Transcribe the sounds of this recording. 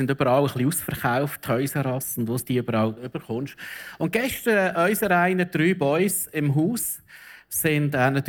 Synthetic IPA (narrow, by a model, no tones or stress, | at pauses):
sɪndøbəɾɑːləχliusfəɾχaʊfttʰhœʏsəɾɑsʊndʋosd̥iːʏbəɾɑːlʏb̥əɾχʊnʃʊnt̚ɡ̥ɛʃtəɾɛʔœʏsəɾaɪnəd̥ɾyːbɔʏsɪmɦuːs | sɪndɛnɑt̪